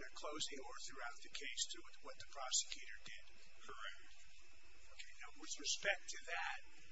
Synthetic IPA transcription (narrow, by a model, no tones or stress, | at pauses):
ə˞kʰl̥oʊzɪ̃ŋə˞θɹʉaʊt̪̚ðɨkʰeɪstʰɨ | wʌt̪̚ðɨpʰɹ̥ɑsɨ̥kʰj̥ʉɾə˞dɪd̥ | kʰə˞ɛk̚tˡ | oʊkʰeɪnaʊwɨðɹɨspɛk̚tʰɨðæt̚